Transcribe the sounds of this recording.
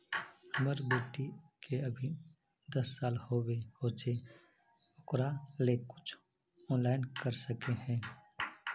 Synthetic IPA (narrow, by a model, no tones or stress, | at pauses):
hɐməɾbeːʈikʰeɐbʱi | d̪ɐsːaːlhoːwehoːt͡ʃe | ʊkɾalekʊ̥t͡ʃʰ | ɔ̃ːnlaːɪnkəɾsəkeɦɛ̃ː